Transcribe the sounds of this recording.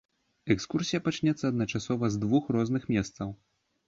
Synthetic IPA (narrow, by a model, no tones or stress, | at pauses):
ɛkskursʲijɐpat͡ʂnʲɛt̪sːɐːd̪nɐt͡ʂasɔvɐzd̪vuxrɔznɨxmʲɛst̪sɐw